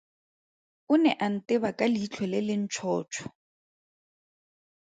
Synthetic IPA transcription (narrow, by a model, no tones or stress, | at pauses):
ʊnɛʔan̩tʼɪbakʼaliːt͡ɬʰwɛlɛlɪn̩t͡ʃʰɔːt͡ʃʰɔ̥